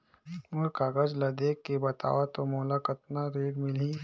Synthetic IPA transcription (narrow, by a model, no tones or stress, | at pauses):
mʊɾkaɡəd͡ʒlɐd̪eːkːebɐt̪a̰ːʋat̪omoːlakət̪naɾeːɡmɪlĩ